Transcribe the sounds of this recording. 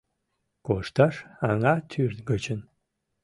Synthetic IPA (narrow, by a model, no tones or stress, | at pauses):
koʂt̪ʰaʂaŋat̪ʰyrt̪ɡət͡ʃʰən